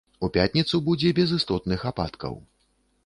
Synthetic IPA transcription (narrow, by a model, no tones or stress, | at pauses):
upʲat̪ʲnʲit̪subud͡zʲɛbʲɛzɨst̪ɔt̪nɨxapa̰t̪kɐ̰w